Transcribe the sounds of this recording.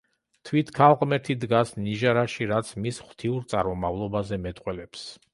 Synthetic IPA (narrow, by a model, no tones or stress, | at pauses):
t̪ʰwit̪ʰkʰalˠqʼmɛɾt̪ʰid̪ɡasniʒaɾaʃiɾat̪sʰmisχwt̪ʰiuɾt̪sʼa̰ɾmɔmavlˠɔbazɛmɛt̪ʼqʼwɛlɛps